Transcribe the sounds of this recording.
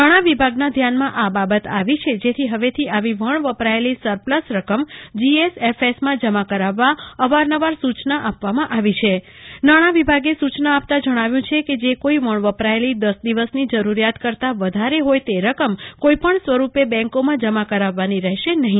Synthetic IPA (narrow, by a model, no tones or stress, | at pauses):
aɽ̃aʋibʱaɡnad̪ʱjanmãʔababət̪aʋit͡ʃʰed͡ʒet̪ʰiɦəʋet̪ʰiaʋiʋəɳʋəpɾaelisəɾpləsɾəkəmd͡ʒiesefesmãd͡ʒəmakəɾaʋːaəʋaɾnəʋaɾsut͡ʃnaʔapʋamãʔaʋit͡ʃʰe | naɽ̃aʋibʱaɡesut͡ʃnaap̚t̪ad͡ʒəɽ̃aʋjũt͡ʃʰeked͡ʒekoiʋəɳʋəpɾaelid̪əsd̪iʋəsnid͡ʒəɾuɾijat̪kəɾt̪aʋəd̪ʱaɾeɦojt̪eɾəkəmkoipəɳsʋəɾupebɛ̃ŋkomãd͡ʒəmakəɾaʋːaniɾəɦʃenəɦĩ